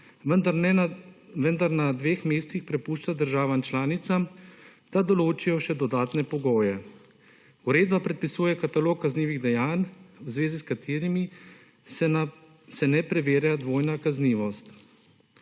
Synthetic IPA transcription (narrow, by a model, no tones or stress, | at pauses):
ənd̪ | ʋənd̪aɾnad̪ʋeːxmeːst̪ixpɾɛpuːʃt͡ʃad̪əɾʒaːʋamt͡ʃlaːnit̪samd̪̥ad̪ɔloːt͡ʃijɔʃɛd̪ɔd̪aːt̪nɛpɔɡoːjɛ | uɾeːd̪bapɾɛt̪̚pisuːjɛkat̪aloːkːazniːʋiɣd̪ɛjaːnwzʋeːziskat̪ʰeːɾimi | sɛnɛpɾɛʋeːɾjad̪ʋoːjnakazniːʋɔst̪